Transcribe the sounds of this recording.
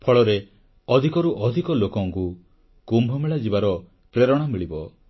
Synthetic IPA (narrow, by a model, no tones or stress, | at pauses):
pʰɔɭɔɾe | ɔd̪ʱikɔɾuʔɔd̪ʱikɔlokɔŋku | kumbʱɔmeɭad͡ʒibaɾɔ | pɾeɾɔɽ̃amiɭibɔ